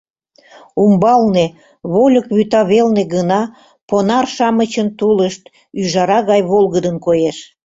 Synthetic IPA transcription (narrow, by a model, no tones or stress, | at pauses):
umbɑlne | βolʲəkβyt̪ɑβelneɣənɑ | ponɑrʃɑmət͡ɕənt̪uləʃt̪ | yʒɑɾɑɣɑjβolɣəd̪ənkojeʃ